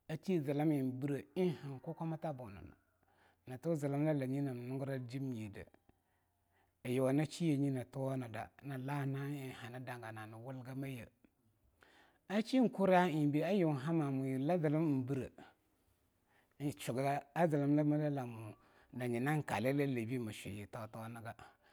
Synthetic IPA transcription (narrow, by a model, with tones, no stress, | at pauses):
a˦t͡ʃi˦˨za˨la˦mi˨n˨bi˦ɾə˨i˦ha˨ŋ˨ku˦ka˦ma˦ta˦bu˨na̰˨na̰˨ | na˨tu˦za˨la˦m˦la˦la˨ɲi˦na˨nu˦ŋɡɾa˦d͡ʒi˦m˦je˨də̰˨ | a˨jo˨wa˨na˦t͡ʃi˦je˨ɲi˦na˨tu˦wa˦na˨da̰˨na˨la˦na˦i˨ha˨na˦da˨ŋ˨ɡa˨na˨na˨wu˦lɡa˦ma˦jə̰˨ | a˦t͡ʃi˦˨ku˦ɾa˦˨bi˦a˦ju˨ɦa˦ma˨mu˨ji˨la˦zə˨lə˦m˦m̩˨bi˦ɾə̰˨˦˨ | t͡ʃu˨ɡa˦ɡa˦a˦zə˨lə˦m˦la˦ma˦la˦la˨mu˨ | da˨ɲi˨na˦ŋ˨ka̰˨le˦la˦le˨bi˦˨ma˨ʃḛ˨je˨ta˦˨ta˦na˦ɡa˦